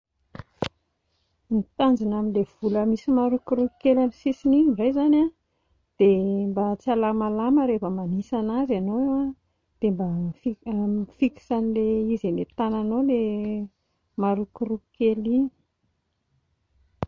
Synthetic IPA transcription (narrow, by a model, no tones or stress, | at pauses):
mit̪and͡ʒinaminlev̥uləmisimaɾukuɾuki̥kelamisisinirajzana | d̪̥embat͡sialamalaməɾefəmanisanazanowewa | d̪̥embafifiki̥sanileizemet̪ananole | maɾukurukkelini̥